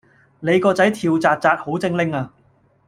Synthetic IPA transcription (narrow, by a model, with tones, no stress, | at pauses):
ne˨˧jkɔː˧t͡sɐ˨˥jt̪ʰiː˧wt͡saː˧t̚t͡saː˧t̚ho˨˥wt͡sɪ˥ŋlɪ˥ŋaː˧